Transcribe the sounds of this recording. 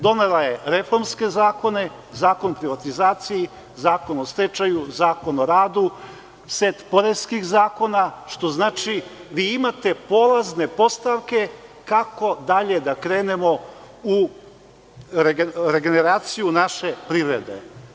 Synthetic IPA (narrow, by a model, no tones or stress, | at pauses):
d̪o̞ne̞laje̞ɾe̞fo̞ɾmske̞zaːko̞ne̞ | zaːko̞npɾiʋat̪izaːt̪siji | zaːko̞nost̪ɾet͡ʃajuzaːko̞no̞ɾaːd̪u | set̪po̞ɾezkixzaːko̞naʃt̪o̞znaːt͡ʃiʋiːimat̪e̞po̞lˠazne̞po̞st̪aʋke̞kako̞d̪aʎe̞d̪akɾe̞ːnemo̞ | u | ɾeɾeɡe̞neɾaːt̪sijunaʃe̞pɾiʋɾed̪e̞̰